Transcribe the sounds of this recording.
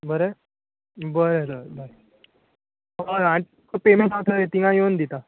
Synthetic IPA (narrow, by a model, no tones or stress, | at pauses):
bəɾe | bəɾedəbəɾe | ɦəãi | kopemẽsãt̪ʰəet̪iŋãjond̪it̪a